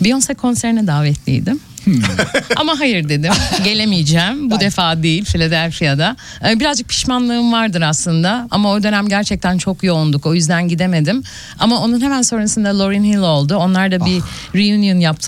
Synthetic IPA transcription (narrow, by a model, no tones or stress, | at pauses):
bijonsɛkʰːo̞nseɾinɛd̪aːvɛt̪ʰlʲḭjd̪ɪm | a̰maɦajɯɾd̪e̞d̪imɟe̞lʲe̞mijd͡ʒɛːmbud̪efaːd̪ejilʲfilʲod̪ælʲfijad̪a | ɯbiɾazd͡ʒɯk̚pʰi̥ʃmanlˠɯɯmvaɾd̪ɯɾaslˠɯnd̪aa̰mao̞d̪ø̞næmɟæɾt͡ʃʰɛc̚t̪ʰænt͡ʃʰo̞kjo̞und̪uko̞jyzd̪ænɟid̪e̞me̞d̪im | amao̞nunɦe̞mænso̞ɾunsɯnd̪alˠo̞ɾinhilˠo̞lˠd̪uo̞nlˠaɾd̪abi | ɾijynjunjap̚t̪ʰ